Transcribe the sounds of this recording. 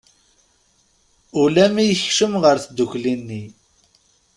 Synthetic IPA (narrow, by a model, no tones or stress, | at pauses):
ʊlæmijəçʃəmʁəɾθd̪uçlinːi